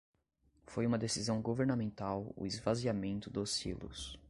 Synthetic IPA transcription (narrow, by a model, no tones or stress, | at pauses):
fojũmɐd̪esizɐ̃w̃ɡoveɾnamẽnt̪awʊ̰ɪzvaziamẽnt̪ʊd̪ʊsḭlʊ̰s